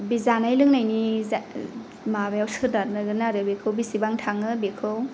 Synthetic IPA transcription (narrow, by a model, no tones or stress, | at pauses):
bizanajlɯŋnajni | mabajawsɯdanɯɡɯnaɾɯbikʰɯwbisibaŋtʰaŋɯbikʰɯw